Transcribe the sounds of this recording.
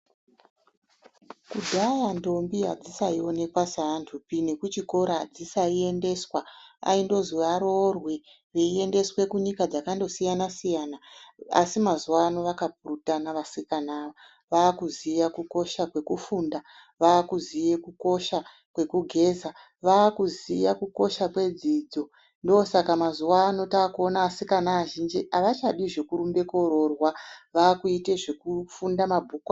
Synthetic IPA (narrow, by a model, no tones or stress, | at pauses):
kudʱajando̞mbijad͡zisaio̞ne̞kwasaantʰupine̞kut͡ʃiko̞ɾad͡zisaie̞nde̞swaa̰indo̞zuʋaɾorwe̞ | ʋeie̞nde̞swe̞kuɲikad͡zakando̞sijanasijanaa̰simazuwano̞ʋakap̚urutanaʋasikanaʋa | ʋaːkuzijakuko̞ʃakwe̞kufunda | ʋaːkuzijekuko̞ʃa | kwe̞kuɡʱe̞ːza | ʋaːkuzijakuko̞ʃakwe̞d͡zid͡zo̞ | ndoosakamazuwaːno̞taːkuo̞naːsikanaːʒind͡ʒiʔaʋat͡ʃaɗiʐe̞kuɾumbe̞ko̞ɾo̞rwaʋaːkuiteʐekufundamabʱuːkwa